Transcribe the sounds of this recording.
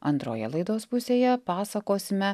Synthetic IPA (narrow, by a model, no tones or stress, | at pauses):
ɐ̰nt̪ɾo̰ːjɛ̰lˠɐɪd̪oːspʊsʲeːjɛpɑːsɐkoːsʲɪmʲɛ